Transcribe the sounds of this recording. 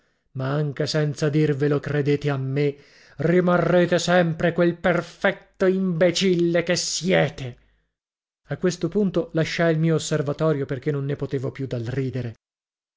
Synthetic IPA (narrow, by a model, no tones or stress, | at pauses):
maaŋk̟esɛnt̪sad̪irvelokred̪eːt̪eamːe | rimarːeːt̪esɛmpɾekwelperfɛt̪ːoimbet͡ʃilːekesjɛːt̪e | akːwest̪opunt̪olaʃːajilmiːoːsːervat̪ɔːɾjoperk̟enːonːepot̪eːvopjud̪ːalriːd̪eɾe